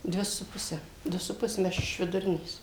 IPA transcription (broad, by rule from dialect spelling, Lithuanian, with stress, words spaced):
ˈdʲʋʲɪ sʊ ˈpʊsʲɛ ˈdʊ sʊ ˈpʊs ˈmʲɛ ˈɐʃ ɪʃ ʋʲɪdʊˈrʲɪnʲeːs